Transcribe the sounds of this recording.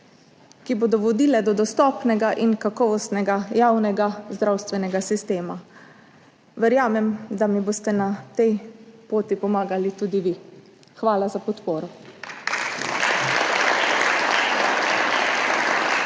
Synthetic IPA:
kibod̪ɔʋɔd̪iːlɛd̪ɔd̪ɔst̪ɔːpnɛɡaʔinkakɔʋɔst̪nɛɡajaːwnɛɡazd̪ɾawst̪ʋɛnɛɡasist̪eːma | ʋɛɾjaːmɛmd̪amiboːst̪ɛnat̪ɛjpoːt̪ipɔmaːɡalit̪uːd̪iʋi | xʋaːlazapɔt̪poːɾɔ

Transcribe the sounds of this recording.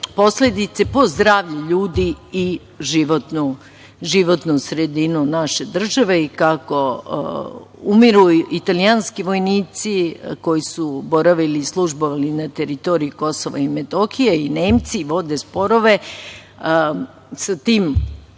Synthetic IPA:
po̞sle̞d̪it̪sepozd̪ɾaːʋʎuʎuːd̪iː | ʒiʋot̪nu | ʒiʋot̪nusɾed̪inunaʃe̞d̪r̩ʒaʋeikako̰ | umiɾuit̪alianskiʋo̞jniːt̪siko̞jisubo̞ɾaʋilislˠuʒboʋalinat̪eɾit̪o̞ɾijuko̞soʋaimet̪oxijeine̞ːmt̪siʋo̞d̪espo̞ɾoʋe̞ | sat̪iːm

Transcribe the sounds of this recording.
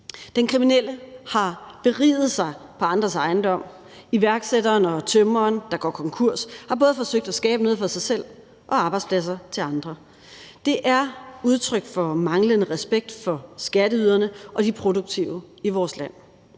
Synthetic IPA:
d̥enkʰʁiminel̰əhɑ̈b̥e̝ʁḭːðˠð̩ˠsɑ̈ɪ | pʰɒ̽ɑ̈nd̥ʁɐsɑ̈ɪnd̥ɒ̽m̰ | iʋæɐɡ̥sedɐːnɒ̽t͡sʰømɐːnd̥ɑ̈ɡ̥ɒ̰ːkʰɒ̽ŋkʰuɐ̰shɑ̈b̥ɔ̽ːðˠfɒ̽søɡ̥̚d̥æsɡ̥ɛːb̥əno̝ð̰ˠfʁɑsɑ̈ɪsel̰ | ʔɒ̽ɑ̈b̥ɑ̈ɪd̥spʰlæs̬ɐt͡sʰe̝lɑ̈nd̥ʁɐ | d̥e̝ʔæɐuð̞ˠt͡sʰʁœɡ̥fɒ̽mɑ̈ŋlənəʁɛsb̥eɡ̥̚d̥fɒ̽sɡ̥æɾəyðˠɐnəʔɒ̽d̥ipʰʁo̝d̥oɡ̥̚t͡sʰiʊəiʋɒːslæn̰

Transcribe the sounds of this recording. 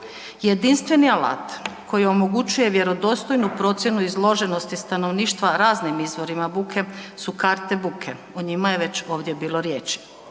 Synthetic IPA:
je̞d̪inst̪ʋe̞niala̰ːt̪kʰojio̞mo̞ɡut͡ɕuje̞ʋje̞ɾo̞d̪o̞ːst̪o̞jnupɾo̞t̪sʲje̞nuizlˠo̞ʒe̞no̞st̪ist̪ano̞ʋniːʃt̪ʋaɾaːznimizʋo̞ɾimabukʰe̞sukaɾt̪e̞bukʰe̞ | uɲimajeʋe̞t͡ɕo̞ːʋd̪je̞biːlo̞ɾjeːt͡ʃi̥

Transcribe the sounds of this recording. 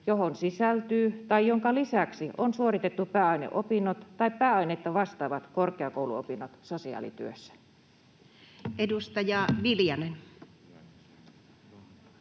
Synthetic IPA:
joɦonsisælt̪yːt̪ɑijjoŋkɑlisæksionsuorit̪et̪ːupæːɑinḛʔopinːot̪t̪ɑippæːɑinet̪ːɑʋɑst̪ɑːʋɑt̪korkeɑkouwluopinːot̪sosiɑ̰ːlḭt̪y̰øsːæ̥ | ʔedust̪ɑjɑʋiljɑnen

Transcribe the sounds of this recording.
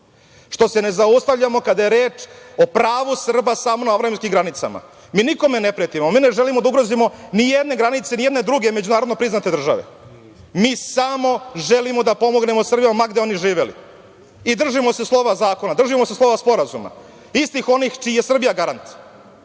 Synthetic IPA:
ʂt̪o̞se̞ne̞zaust̪aʋʎamo̞kad̪ajeɾeːt͡ʃo̞pɾaːʋusr̩basaːmo̞naavɾaimskimɡɾanit̪sa̰ma̰ | miːniko̞me̞nepɾet̪iomiːne̞ʒe̞limod̪auɡɾozimo̞nijed̪ne̞ɡɾanit̪senijed̪ne̞d̪ɾuɡe̞med͡ʑunaːɾod̪nopɾiznat̪e̞d̪r̩ʒa̰ʋḛ | miːsamo̞ʒelimo̞d̪apo̞mo̞ɡne̞mo̞sr̩bijomaɡd̪eo̞niʐiːʋe̞lḭ | id̪r̩ʒimo̞se̞slˠo̞ʋazaːko̞nad̪r̩ʒimose̞slˠo̞ʋaspo̞ɾazuma̰ | ist̪ixo̞niːxt͡ʃiːjesr̩bijaɡaɾant̪

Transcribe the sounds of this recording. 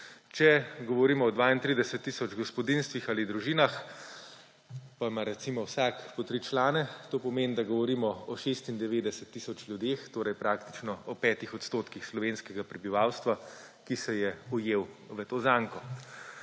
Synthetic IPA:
t͡ʃɛɡɔʋɔɾiːmɔːd̪ʋaːint̪ɾid̪ɛsɛt̪ːisɔd͡ʒɡɔspɔd̪inst̪ʋixaːlid̪ɾuʒiːnax | pamaɾɛt̪simɔwsakpɔt̪ɾit͡ʃlaːnɛt̪oːpɔmeːnd̪aɡɔʋɔɾiːmɔɔʃest̪ind̪ɛʋed̪ɛsɛt̪ːisɔt͡ʃlʲjud̪eːxt̪oːɾɐjpɾaːkt̪i̥t͡ʃnɔɔpɛːt̪ixɔt̪st̪oːt̪kixslɔʋenskɛɡapɾɛbiʋawst̪ʋa | kisɛjɛujeːwʋət̪ozaːŋkɔ

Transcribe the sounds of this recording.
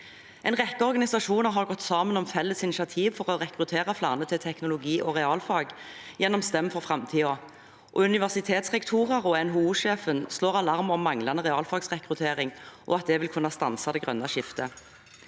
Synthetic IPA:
ʔɛɪnʁɛkːəɔʁɡɑnɪsɑʂuːnəʁɦɑʁɡɔt̪ːsɑːmənɔmfɛlːəsɪnɪʃɪɑt̪ʰiːʋfɔʁɔʁɛkʁʉt̪ʰeːʁɑflɑ̰ːʁnət̪ʰɪlt̪ʰɛknʊlʊɡiːʔɔʁɛɑːlfɑːɡjɛnːɔmst̪ɛmfɔʁfʁɑmt̪ʰiːɔ | ʔɔʉnɪʋæʁsɪt̪ʰeːt̪sʁɛkt̪ʰuːʁɑʁɔɛnɦuːuːʂeːfənsloːʁɑlɑʁmɔmːɑŋlɑnəʁɛɑːlfɑːɡsʁɛkʁʉt̪ʰeːʁɪŋʔɔ̰ːɑt̪̚d̪ɛʋɪlkʰʉnːɑst̪ɑnsɑd̪ɛɡʁœ̰nːɑʃɪft̪ə

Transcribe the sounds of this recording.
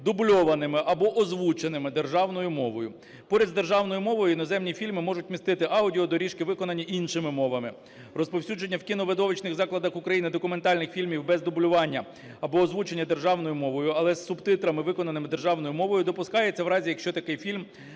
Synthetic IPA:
d̪ʊblʲɔʋɐnɪmɪʔɐbɔʔɔzʋut͡ʃenɪmɪd̪e̞rʒɑwn̪ɔjʊmɔʋɔjʊ | pɔɾʲɐzd̪e̞rʒɑwn̪ɔjʊmɔʋɔjʊinɔzɛmnʲifʲilʲmɪmɔʒʊt̚ʲmʲist̪ɪt̪ɪʔɑwdʲiɔd̪ɔɾʲiʃkɪʋɪkɔnɐnʲːiʔinʃɪmɪmɔʋɐmɪ | rɔspɔwsʲud͡ʒenʲːɐwkʲinɔʋed̪ɔʋɪt͡ʃnɪɣzɑklˠɐd̪ɐxʊkɾɐjinɪd̪ɔkʊme̞nt̪ɑlʲnɪxfʲilʲmʲiwbɛzd̪ʊbʊlʲʊʋɑnʲːɐ | ɐbɔɔzʋut͡ʃenʲːɐd̪e̞rʒɑwn̪ɔjʊmɔʋɔjʊɐlˠɛsːʊbt̪ɪt̪ɾɐmɪʋɪkɔnɐnɪmɪd̪erʒɑwnɔjʊmɔʋɔjʊd̪ɔpʊskɑjet͡sʲːɐwɾɑzʲijɐkʃt͡ʃɔt̪ɐkɪjfʲilʲm

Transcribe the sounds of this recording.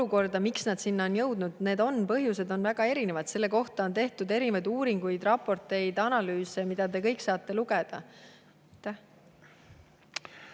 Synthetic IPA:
uko̞rd̪ɑmiksnɑd̪̥sinːɑonjɤ̞wd̪nud̪̥ne̞ːd̪o̞npɤɦjuse̞d̪o̞nvæɡ̥ɑe̞ɾine̞vɑd̪̥se̞lːeko̞ht̪ɑo̞nt̪e̞ht̪ud̪e̞ɾivɑjd̪uːɾiŋɡujd̪̥rɑpːˑo̞rt̪ˑe̞jd̪ɑnɑlyːsemid̪̥ɑt̪e̞kɤ̞jksɑːt̪ːˑe̞luɡ̥e̞d̪̥ɑ̰ | t̪ːæ

